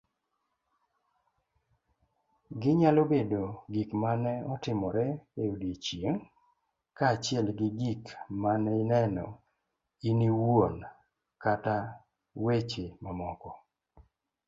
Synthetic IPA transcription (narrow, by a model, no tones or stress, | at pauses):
ɡɪɲalobedoɡikmanɛɔtɪmɔɾɛeudit͡ʃjeŋ | kaːt͡ʃɪɛlɡɪɡikmanɛinɛnɔ̰ | iniwon | kata | wet͡ʃemamɔkɔ